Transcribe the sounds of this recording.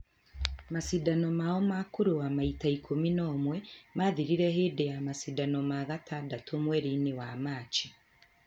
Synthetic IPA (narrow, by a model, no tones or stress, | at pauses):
masidanomaomakuɾuamaitaikʰominoːmwemaðiɾiɾeheːdejamasidanomaɣatʰadatʰomweɾinewamaːt͡ʃi